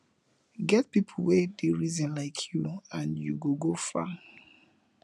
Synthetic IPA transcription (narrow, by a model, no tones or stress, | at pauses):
ɡɛt̚pipʰl̩wediɹizɔ̃nlaɪkʰjuãnjuɡoɡofa̰